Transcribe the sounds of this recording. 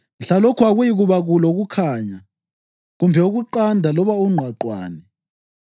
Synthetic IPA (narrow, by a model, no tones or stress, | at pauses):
ɬalokʰuaɣujiɣuβaɣuloɣukʰaːɲa | ɣumbʱɛuɣuǃandʱalɔβauŋ͡ǀʱwaǃwa̰ːnɛ